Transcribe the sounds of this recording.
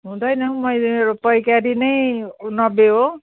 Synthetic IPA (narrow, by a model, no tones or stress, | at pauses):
ɦũd̪ʌjnʌmʌjlmeɾopʌjkaɾinʌjnʌbːeɦo